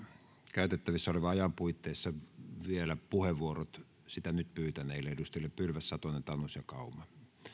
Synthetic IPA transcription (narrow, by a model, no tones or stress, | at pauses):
kæˑyt̪et̪ːæʋisːæoleʋɑɑjɑmpuit̪ːeˑisːɑʋielæpuheʋʋuorot̪ | sit̪ænyt̪pyːt̪æneˑilːeedust̪ilːeppylʋæsːɑt̪onent̪ɑnusjɑkɑˑumɑ